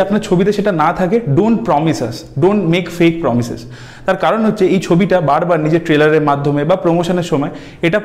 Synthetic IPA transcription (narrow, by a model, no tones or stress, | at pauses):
apnaɾt͡ɕʰobit̪̬eʃeʈanat̪ʰakeɖoɳʈpɾɔmisas | ɖoɳʈmekfek̚pɾɔmisḛz | t̪aɾkaɾonɦotːɕʰeejt͡ɕʰobiʈabaɾbaɾnid͡ʑeʈɾelaɾeɾmad̪ʱːomebapɾomoʃoneɾʃɔmɔe | eʈa